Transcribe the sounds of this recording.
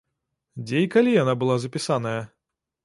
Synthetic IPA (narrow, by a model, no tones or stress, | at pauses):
d͡zʲejikalʲijanabɨlˠazɐpʲisanɐjɐ